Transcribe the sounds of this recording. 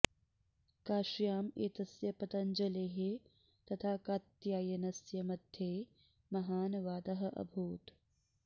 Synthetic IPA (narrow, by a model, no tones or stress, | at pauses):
kaːʃjaːmeːt̪ɐsjɐpɐt̪ɐɲd͡ʒɐleːɦe | t̪ɐt̪ʰaːkaːt̪jaːjɐnɐsjɐmɐd̪ʱjeː | mɐɦaːnɐʋaːd̪ɐɦɐʔɐ̰bʱuːt̪